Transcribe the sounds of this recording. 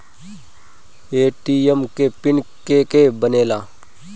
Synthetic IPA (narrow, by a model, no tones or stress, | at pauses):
eːʈiːemkepɪnkekebəneːlaː